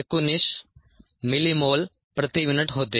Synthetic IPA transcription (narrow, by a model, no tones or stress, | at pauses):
ekunis | milimoːl | pɾɐt̪imɪnɐʈɦoːt̪ːe